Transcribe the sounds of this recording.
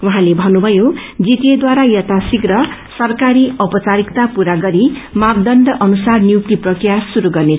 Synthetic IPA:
wuɦãlebʱʌnːubʱʌjod͡zit̪ijed̪waɾajʌt̪ʰasiɡɾʌsʌrkaɾiʌpʌt͡saɾikt̪apuɾaɡʌɾimab̚d̪ʌnd̪ʌʔʌnusarnjukʈiprʌkrijasuɾuɡʌrnet͡sʰ

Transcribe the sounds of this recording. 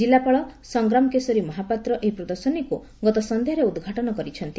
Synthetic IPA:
d͡ʒilːapaɭɔsɔŋɡɾamɔkesɔɾimɔɦapat̪ɾɔʔeipɾɔd̪ɔɾsɔniku | ɡɔt̪ɔsɔnd̪eɦɔɾeud̪ɡʱaʈɔnɔkɔɾit͡ʃʰɔnt̪i

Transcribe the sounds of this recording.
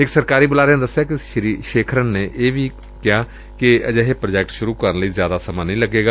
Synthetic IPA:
ɪksəɾkaːɾiːbʊlaːɾeaned̪əsːjaːkɪʃɾiʃeːkʰɾənːeːʔeːʋʱiː | kɪjaː | kɪəd͡ʒəɦepɾəd͡ʒɛːkʈʃʊɾuːkəɾənləiːzjaːd̪asəmaːnĩːləɡeːɡaː

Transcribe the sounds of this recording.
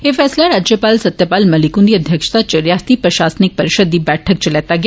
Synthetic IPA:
efɛːslaɾaːd͡ʒjəpaːlsət̪japaːlmɐlikũnd̪iɐd̪ʱjəkʃt̪at͡ʃəɾjast̪ipɾɐʃaːsnik̚pɐɾɪʃəd̪ːibɛːʈʰək̚t͡ʃɐlɛt̪aɡj

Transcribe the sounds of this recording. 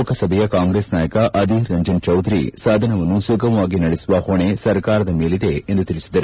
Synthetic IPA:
kɐsɐbʱɛjɐkaːŋɡɾeːsnaːjɐkɐʔɐd̪iɾɐɲd͡ʒɐnt͡ʃɐwd̪ʱɾḭsaːd̪ʱɐnɐʋɐnːusuɡʱɐʋaːɡinɐɽesuʋɐhoɳesɐɾkaːɾɐd̪ɐme̞ːlid̪e̞ːnd̪ut̪iɾisid̪ɐɾu

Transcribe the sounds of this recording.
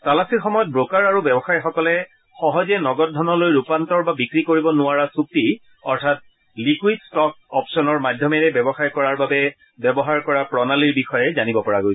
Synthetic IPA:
talasiɹxɔmɔjɔt̚bɹokaɹaɹubɛbɔxaɹixɔkɔlɛ | xɔɦɔzɛnɔɡɔt̚dʱɔnɔlojɹupantɔɹbabikɹikoɹibɔnʊaɹasuk̚ti | ɔɹtʰat̚ | likwidstɔk̚ | ɔpsɔnɔɹmadʱjɔmɛɹɛbɛbɔxaɹkɔɹaɹbabɛ | bɛbɔɦaɹkɔɹapɹɔnaliɹbixɔjɛzanibɔpɔɹaɡojs

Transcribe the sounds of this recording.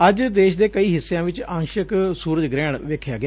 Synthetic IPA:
əd͡ʒd̪eːʃd̪eːkəiːɦɪsːejãːʋɪt͡ʃãːnʃəksuːɾəd͡ʒɡɾɛːɽ̃ʋeːkʰːjaːɡɪaː

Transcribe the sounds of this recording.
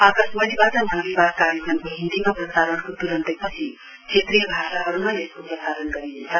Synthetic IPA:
akʌsmʌlibad͡zʌmʌnmibakaɾekʰʌnkoɦĩnd̪imaprʌsaɾʌnkot̪uɾʌnt̪ʌjpʌt͡sʰi | t͡sʰet̪rijʌbʱasaɦʌɾumaeskoprʌsaɾʌnɡʌɾiɦent͡sʰʌ

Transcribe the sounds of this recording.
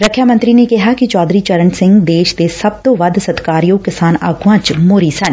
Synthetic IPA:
ɾəkʰjamə̃nt̪ɾinekɪɦakit͡ʃɔːd̪ɾit͡ʃɐɾənsɪ̃ŋɡd̪eːʃd̪esɐb̚t̪oʋɐd̪sɐt̪kaːɾjoːkɪsaːna̰ːɡʱʋãt͡ʃmoːɾiːsɐn

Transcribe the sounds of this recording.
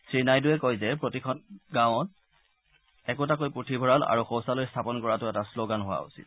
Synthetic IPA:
sɹinajduɛkojzɛpɹotikʰɔnɡãʊɔt | ɛkotakojputʰibʱɔɹala̰ɹuxowsalojstʰapɔnkɔɹatʊɛtasloɡanɦowa̰ṵsḭt̚

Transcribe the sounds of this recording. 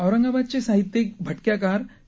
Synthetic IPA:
ɐwɾəŋɡabad̪̚t͡ɕesaɦit̪ːjek̚bʱəʈkjakaɾ

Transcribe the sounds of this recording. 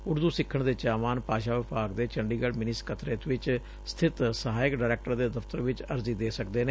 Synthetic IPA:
ʊɽd̪uːsɪkʰːəɳd̪eːt͡ʃaːmaːnpaːʃaːʋɪpaːɡd̪eːt͡ʃəɳɖiːɡəɽmɪnɪskʰət̪ɾeːt̪ʋɪt͡ʃ | st̪ʰɪt̪səɦaːjəkɖaːɾɛːk̚ʈəɾd̪eːd̪əft̪əɾʋɪt͡ʃəɾziːd̪eːsəkd̪eːneː

